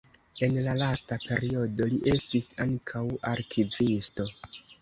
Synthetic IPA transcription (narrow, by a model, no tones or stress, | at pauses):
e̞nlalastape̞ɾio̞do̞liʔe̞stisaŋkʰawaɾkʰivisto̞